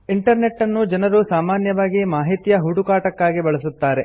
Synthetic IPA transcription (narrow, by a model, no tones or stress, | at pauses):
iɳʈɐɾne̞ʈːɐnːud͡ʒɐnɐɾusaːmaːnjɐʋaːɡimaːɦit̪ijɐɦuɽukaːʈɐkːaːɡibɐɭɐsut̪ːaːɾe